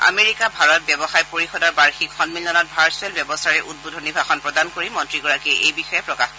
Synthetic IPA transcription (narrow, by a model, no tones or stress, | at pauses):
a̰meɹikabʱaɹɔt̚bjɛbɔxajpoɹixɔdaɹbaɹxikxɔnmiljɔnɔt̚bʱaɹselbjɛbɔsaɹɛʔud̚bodʱɔnibʱaxɔnpɹɔdankoɹimɔntɹiɡɔɹakiɛʔejbixɔjɛpɹɔkax